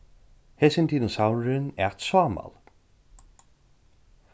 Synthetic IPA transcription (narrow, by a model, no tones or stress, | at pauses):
hɛsɪnt̪ʰiːnəsawɹɪnɛt̪saːma̰lˠ